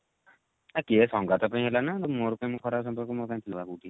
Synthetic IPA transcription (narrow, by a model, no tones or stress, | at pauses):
akiɛsɔŋɡat̪ɔpãĩɦelanat̪moɾukaĩmũkʰɔɾabsɔmpɔɾkɔmoɾukaĩt̪ʰilbakuʈi